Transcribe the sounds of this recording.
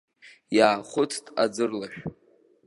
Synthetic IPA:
jaːχʷʊt͡sʰtʼa̰d͡zɨrlaʃᶣ

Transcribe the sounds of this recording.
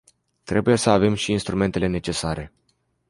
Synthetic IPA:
t̪ɾe̞buje̞səave̞mʃiːnst̪ɾume̞nt̪e̞le̞ne̞t͡ʃe̞saɾe̞

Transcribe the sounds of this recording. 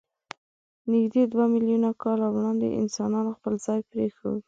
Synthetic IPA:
nɪɡd̪ed̪wamɪljunakɑlawɽɑnd̪ḛʔɪ̰nsɑnɑnoxpəlzɑjpɾexə̰wi

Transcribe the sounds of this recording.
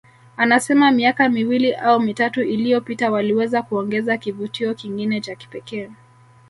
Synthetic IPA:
anasɛmamiakamiwiliʔaumitatuʔilijɔpitawaliwɛzakuɔŋɡɛzakivutiɔkiŋɡinɛt͡ʃaki̥pɛkɛː

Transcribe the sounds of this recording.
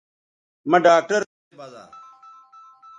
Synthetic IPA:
mɐ̃ɖaːk̚ʈəɾ | baːza̰ː

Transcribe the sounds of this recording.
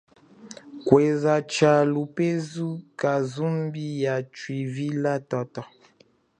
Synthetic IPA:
kwezat͡ʃalupezukazumbijat͡ʃwivilatɔtɔ

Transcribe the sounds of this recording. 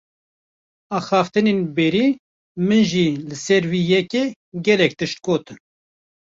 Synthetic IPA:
ɑːxɑːft̪ɨneːnbɛːɾiː | mɨnʒiːlɨsɛɾwiːjɛkeː | ɡɛlɛk̚t̪ɨʃt̪̚koːt̪ɨn

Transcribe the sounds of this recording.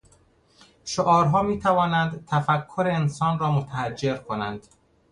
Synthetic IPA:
ʃoʔɒːɾɦɒːmiːt̪ʰævɒːnænd̪t̪ʰæfækʰːoɾeːnsɒːnɾɒːmot̪ʰæhæd͡ʒːe̞ɾkʰo̞nænd̪̥

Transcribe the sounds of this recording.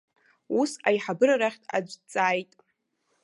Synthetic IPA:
usajħabɨɾaɾaχʲtʼa̰d͡ʒʷt͡sʼaːjtʼ

